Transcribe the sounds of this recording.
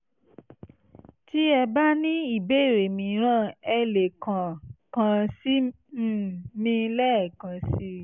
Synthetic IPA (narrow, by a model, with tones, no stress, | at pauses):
ti˦ɛ˧ba˦nĩ˦i˨be˦˨ɾe˨mĩ˨˦ɾ̃ã˦˨ɛ˧le˨kã˨kã˧si˦˨ | mĩ˧lɛ˦˨kã˨˧si˦